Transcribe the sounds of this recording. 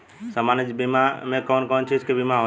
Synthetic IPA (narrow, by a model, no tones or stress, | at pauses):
səmaːnəd͡ʒbimamẽkɔːnkɔːnt͡ʃʰiɪskebimaɦo